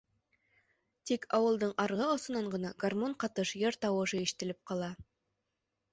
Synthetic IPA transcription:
t̪ikʰɑwɤ̆lˠd̪ɤɴʔɑɾʁɤŏsɤ̆nɑɴʁɤ̆nɑɡ̥armoɴqɑt̪ɤʃjeɾt̪ɑwɤ̆ʒɤeʃt̪ɘ̆lɪp̚qɑlˠɑ

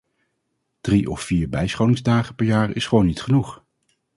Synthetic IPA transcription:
d̥riʔɔ̰fːiːɹbɛjsχownɪŋzdaːχəpɛɹjaːɹɪsχəʋownːitχənuχ

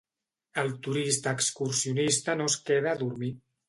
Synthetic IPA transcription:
əlˠt̪uɾist̪əːkskuɾsiunist̪ənoskeðaːðuɾmi

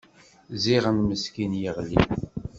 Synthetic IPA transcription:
ziʁəmməskinjəʁlḭ

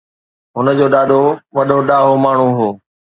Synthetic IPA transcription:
ɦʊnəd͡ʑoːɗaːɗ̪ʱoʋɐɗʱoɗaːɦomaːɳ̤ũɦoː

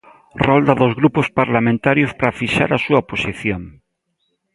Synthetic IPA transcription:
rɔld̪aðozɣɾupʊspaɾlamẽnt̪aɾjospɾafiʃa̰ɾasuɐoposiθjoŋ

